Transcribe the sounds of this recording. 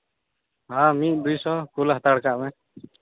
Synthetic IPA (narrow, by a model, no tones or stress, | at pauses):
ɦãːmiʔd̪ujsɔːkulɦət̪aɽkaʔmɛ̃